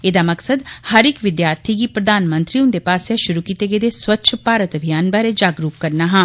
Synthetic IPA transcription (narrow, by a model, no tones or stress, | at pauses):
ed̪aːməksəd̪həɾɪkʋɪd̪jaːɾt̪ʰiɡiːpɾəd̪aːnmə̃nt̪ɾiːʊnd̪epaːsjaʃʊɾukiːt̪eɡed̪eswətːʃʰpaːɾət̪əbʱijaːnbaːɾed͡ʒaːɡɾuːkkəɾnaːɦãː